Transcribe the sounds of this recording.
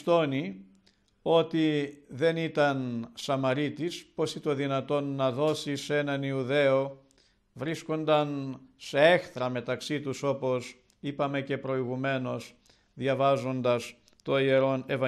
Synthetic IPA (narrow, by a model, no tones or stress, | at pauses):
t̪o̞ni | o̞t̪iðe̞nit̪ɐnsɐmɐɾit̪ispo̞sit̪o̞ðinɐt̪o̞nːɐðo̞sise̞nɐniuðe̞o̞ | vɾisko̞nd̪ɐnse̞e̞xθɾɐme̞t̪ɐksit̪uso̞po̞s | ipɐme̞ce̞pɾo̞iɣume̞no̞s | ðʝɐvɐzo̞nd̪ɐs | t̪o̞ieɾo̞ne̞vɐ